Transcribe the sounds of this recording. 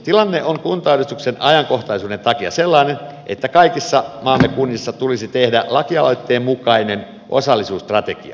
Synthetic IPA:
t̪ilɑnːeʔoŋkunt̪ɑːɾist̪uksenɑjɑŋko̞ht̪ɑisuːde̞nt̪ɑkiɑ̰selːɑinenʔet̪ːækɑikisːɑmɑːmːekunːisːɑt̪ulisit̪ehdælɑkiɑlojt̪ːeːmmukɑinen | ʔo̞̰sɑlːisuːst̪rɑt̪ekḭɑ̰

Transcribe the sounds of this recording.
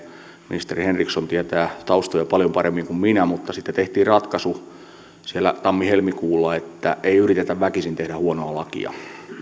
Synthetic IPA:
minist̪erihenriksont̪iæt̪ææt̪ɑust̪ojɑpɑljompɑremːiŋkumminæmut̪ːɑsit̪ːæet̪eht̪iːrrɑt̪kɑsu | sielːæ̰t̪ɑmːihelmikuːlːɑet̪ːæ̰ʔeiyrit̪et̪æʋʋækisint̪ehdæhuonoɑlɑkḭɑ̰

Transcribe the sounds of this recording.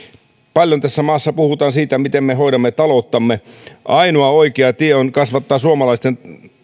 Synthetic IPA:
pɑljont̪æsːæmɑːsːɑpuhut̪ɑːnsiːt̪æmit̪emːeɦo̞idɑmːet̪ɑlo̞t̪ːɑmːeʔɑjnoɑoikeɑt̪ieonkɑsʋɑt̪ːɑːsuomɑlɑist̪en

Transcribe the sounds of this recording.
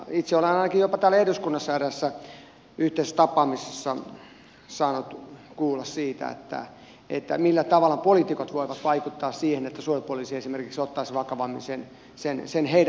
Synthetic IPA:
it̪seolɑɑinɑkijopɑt̪æːlːæeduskunːɑsːæræsːæ | yht̪eist̪ɑpɑːmisesːɑ | sɑːnot̪kuːlːɑssiːt̪æ̰ḛt̪ːæ̰ | ḛt̪ːæ̰milːæt̪ɑʋɑlːɑpolit̪ikot̪ʋoiʋɑt̪ʋɑikut̪ːɑːssiːhenet̪ːæsuojipuolisiesimerkiksot̪ːɑisʋɑkɑʋɑmːinsen | sensenheiɾæ

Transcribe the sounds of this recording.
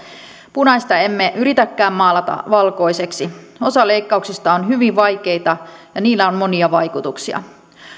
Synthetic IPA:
punɑjst̪ɑe̞mːeʔyɾit̪ækːæːmmɑːlɑt̪ɑ̰ʋɑlko̞jse̞ksio̞sɑle̞jkːɑuksist̪ɑonɦyʋiʋʋɑjk̟e̞ijt̪ɑjɑniːlːæonmo̞niɑʋɑjkut̪uksiɑ̰

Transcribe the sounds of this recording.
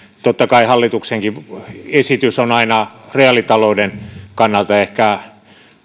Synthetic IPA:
t̪ot̪ːɑkɑihɑlːit̪ukseŋkiesit̪ysonɑinɑreɑlit̪ɑloudenkɑnːɑlt̪ɑehkæ

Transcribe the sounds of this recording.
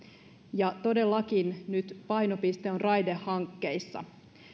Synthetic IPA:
jɑt̪o̞de̞lːɑkinnyt̪pɑjno̞pist̪eonrɑjdehːɑŋkːe̞jsːɑ̰

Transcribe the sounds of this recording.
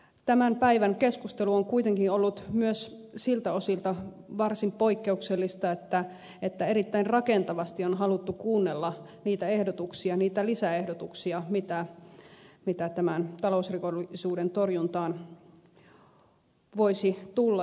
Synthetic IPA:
t̪æmæmpæiʋæŋkeskust̪eluoŋkuit̪eŋkinolːut̪myøs | silt̪æosilt̪ɑ | ʋɑrsimpo̞ikːeukselːist̪ɑet̪ːæ | et̪ːæeɾit̪ːæinrɑkent̪ɑʋɑst̪ionɦɑlut̪ːukuːnːelːɑniːt̪æe̞hdot̪uksiɑniːt̪ælisæehdot̪uksiɑmit̪æ | mit̪æt̪æmænt̪ɑlousrikolːisuːdent̪orjunt̪ɑːn | ʋoisit̪ulːɑ

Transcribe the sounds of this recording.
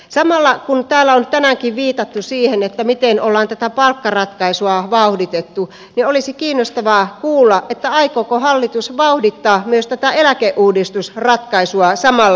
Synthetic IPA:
sɑmɑlːɑkunt̪æːlːæont̪ænæŋkiʋʋiːt̪ɑt̪ːusiːhenet̪ːæmit̪enolːɑːnt̪æt̪æpɑlkːɑrɑt̪kɑisuɑʋɑuhdit̪et̪ːu | niolisikiːnːost̪ɑʋɑːkuːlːɑʔʔet̪ːæɑikokohɑlːit̪usʋɑuhdit̪ːɑːmyøst̪æt̪æelækeʔʔuːdist̪usrɑt̪kɑisuɑsɑmɑlːɑ

